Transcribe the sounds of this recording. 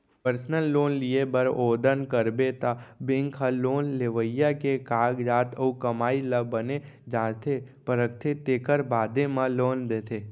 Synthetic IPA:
pəɾsnəlːoːnliebəɾoːd̪ənkəɾbet̪abɪ̃ŋkʰɦəloːnleʋəjakekaːɡɾaːt̪ʰəukəmaːiləbəne | d͡ʒãːd͡ʒt̪ʰepəɾəkt̪ʰet̪eːkəɾbaːd̪emãloːnd̪eːt̪ʰeː

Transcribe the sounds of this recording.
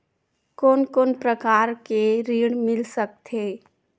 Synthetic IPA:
koːnkoːnpɾəkaːɾkeɾiːɽmɪlsək̚t̪ʰeː

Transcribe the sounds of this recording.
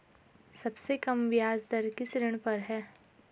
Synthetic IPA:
sɐbsekɐmʋjaːzd̪ɐɾkɪsɾɪɽ̃pɐɾɦɛː

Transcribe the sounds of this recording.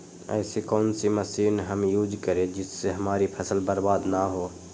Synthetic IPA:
ɛ̰ːsikɔːnsimɐsiːnɦɐmjuːd͡ʒkəɾẽd͡ʒɪsːeɦɐmaːɾipʰɐsəlbəɾbaːd̪naɦoː

